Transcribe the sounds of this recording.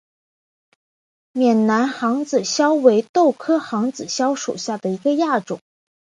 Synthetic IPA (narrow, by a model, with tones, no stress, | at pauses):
mjɛ˨˩nna˧˥nxɑ˧˥ŋd͡zɹ̩˨˩ɕjɑ˥ʊwe˧˥ɪt̪o˥˩ʊkʰɤ˥xɑ˧˥ŋt͡sɹ̩˨˩ɕjɑ˥ʊʂṵ˨˩ɕja˥˩d̪ə˩i˧˥ɡə˧ja˥˩ʈ͡ʂʊ̰˨˩˦ŋ